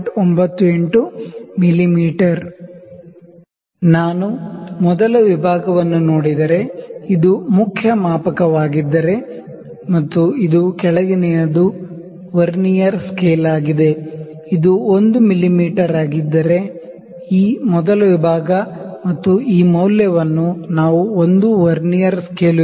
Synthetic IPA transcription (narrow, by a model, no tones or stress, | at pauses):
ʈombɐt̪ːueɳʈumilːimiːʈɐɾ | naːnumɔd̪ɐlɐʋibʱaːɡɐʋɐnːuno̞ːɽid̪ɐɾe̞id̪umukʰjɐmaːpɐkɐʋaːɡid̪ːɐɾe̞ | mɐt̪ːuid̪ukɛɭɐɡinɛjɐd̪u | ʋɐɾnijɐɾskeːlaːɡid̪e̞ | id̪uond̪umilːimiːʈɐɾaːɡid̪ːɐɾe̞ | iːmɔd̪ɐlɐʋibʱaːɡɐmɐt̪ːuiːmɐwljɐʋɐnːunaːʋuond̪uʋɐɾnijɐɾskeːl